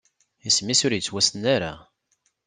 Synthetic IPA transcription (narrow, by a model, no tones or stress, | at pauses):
ismisʊɾjət͡sːwæsənaɾa